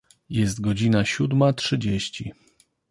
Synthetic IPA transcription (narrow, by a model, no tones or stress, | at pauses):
jɛst̪ɡɔd͡ʑinaɕud̪matʂɘd͡ʑeɕt͡ɕi